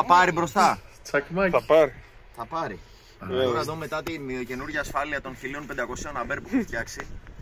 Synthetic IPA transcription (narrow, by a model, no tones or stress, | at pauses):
ɐpɐɾibɾo̞st̪ɐ | t͡sɐkmɐθɐpɐɾi | θɐpɐɾi | oɐðome̞t̪ɐt̪imio̞ce̞nuɾʝɐːsfɐliɐt̪o̞nçilio̞npend̪ɐko̞sio̞nɐbe̞ɾpufeft̪çɐksi